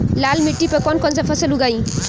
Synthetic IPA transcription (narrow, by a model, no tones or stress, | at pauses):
lalmiʈːipekɔnkɔnt͡sapʰʌsɐluɡaj